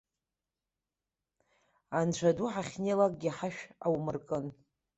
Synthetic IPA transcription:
ant͡ɕʷʰaduħaχʲnelakʼɡʲiħaʃᶣawmɨrkʼɨn

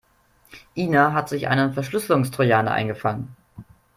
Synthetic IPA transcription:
ʔiːnaɦatz̥ɪçʔa̰ɪnəfɛɐʃlʏslʊŋstʁ̥ojaːnə̰ʔa̰ɪnɡəfaŋən

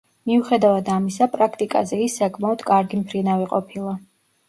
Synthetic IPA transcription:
miuχɛd̪avad̪amisapʼɾakʰt̪ʼikʼa̰zɛisːakʰmaɔd̪̥kʼaɾɡimpʰɾinaviqʼɔ̰pʰilˠa

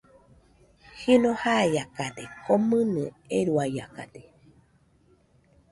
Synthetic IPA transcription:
hinohajakat̪ekomɨnɨ | eɾuaja̰ka̰t̪e

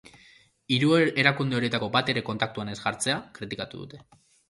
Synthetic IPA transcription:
iɾue̞ɾakund̪eo̞ɾije̞t̪ako̞bat̪e̞ɾe̞ko̞nt̪akt̪uane̞zɣaɾt͡se̞akɾit̪ikat̪uðṵt̪e̞

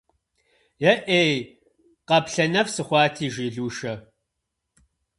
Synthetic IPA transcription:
jɐʔej | qɐpɬɐnɐfsɨχʷɑːtʰiːʒiːɮuːʃɐ

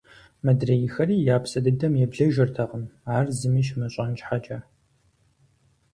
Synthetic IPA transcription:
mɐdrɐjɪxɐriːjaːpsɐdɨdɐmjɛbɮɐʒɐrtʰɐʁəmaːrzɨmiːʃ̬mɐɕʼɐnt͡ʃʼħat͡ʃʼɐ

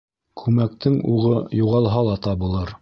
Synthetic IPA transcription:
kʰʉmæk̚t̪ɘŋuʁɤjuʁɑlˠɦɑlˠɑt̪ɑbɤ̆lˠɤɾ

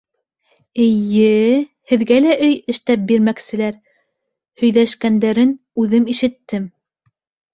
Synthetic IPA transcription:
ɘ̆jɘ | hɘ̆ðɡælæʔɵjɘ̆ʃt̪æp̚biɾmæksɘ̆læɾ | hɵ̆jlæʃkænd̪æɾɘn | ʉðɘmiʃɘ̆t̪ːɘm

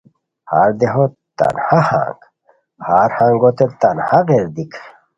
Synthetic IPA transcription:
haːɾd̪eɦo | t̪a̰nhahã̰ːŋɡ | haːɾhãːŋɡot̪et̪anhaɣeɾd̪ikʰ

